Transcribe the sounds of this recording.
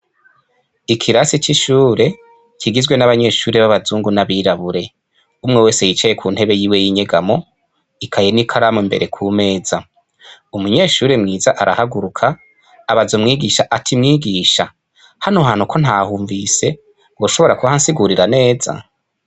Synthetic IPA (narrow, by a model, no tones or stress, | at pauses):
ikʰiɾasit͡ʃiʃuːɾe̞ | kʰiɡizwe̞naβaɲe̞ːʃuːɾe̞βaβazuːŋɡunaβiːɾaβuɾe̞ | umŋewe̞ːse̞jit͡ʃejekʰuːnhe̞βe̞jiːwe̞jiɲe̞ɡamo̞ | ikʰajenikʰaɾamombe̞ɾʔe̞kʰuːme̞ːz̥a | umuɲe̞ːʃuːɾe̞mŋiːzaʔaɾahaɡuɾukʰaː | βazomŋiːɡiʃaʔatʰimŋiːɡiːʃa | hanoɦaːn̥hukʰo̞n̥haːhuːɱvise̞ | ɡoːʃo̞βo̞ɾakuβahansiɡuɾiɾane̞ːza̰